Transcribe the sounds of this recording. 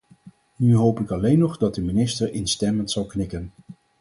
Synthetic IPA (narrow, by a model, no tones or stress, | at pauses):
nyɦowpɪkɑlejnːɔχdɑt̚dəminɪstəɹɪnstɛməntsɑlˠknɪkən